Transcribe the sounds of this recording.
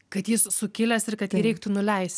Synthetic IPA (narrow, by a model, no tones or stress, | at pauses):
kɐt̪jɪssʊkʲɪlʲɛsɪɾkɐt̪jiːɾʲɛɪk̚t̪ʊnʊlʲɛɪsʲt